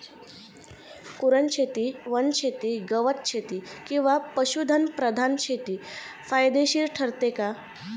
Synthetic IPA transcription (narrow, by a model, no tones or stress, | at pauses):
kuɾənt͡ɕʰet̪iːʋənt͡ɕʰet̪iːɡəʋət̪̚t͡ɕʰet̪ikĩw̃ʋapəɕud̪ʱənpɾəd̪ʱant͡ɕʰet̪iː | fajd̪eɕiːɾʈʰəɾt̪eka